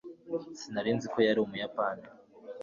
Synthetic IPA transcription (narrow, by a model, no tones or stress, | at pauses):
sinaɾiːnziko̞jaɾiumujapaːni